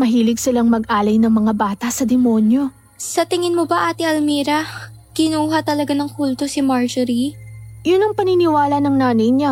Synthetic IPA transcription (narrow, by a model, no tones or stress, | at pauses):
mɐɦiːlɪɡ̚sɪlaŋmɐɡ̚ʔaːlɐjnɐŋmɐŋabaːt̪ɐsɐd̪ɛmo̞njo̞ | sɐt̪ɪŋɪnmobɐʔaːt̪iɐlmiːɾɐ | kɪnuːɦɐt̪ɐlɐɡanɐŋkult̪o̞sɪmaɹd͡ʒɛɾijʊnɐŋpɐnɪnɪwaːlɐnɐŋnaːnɐjɲa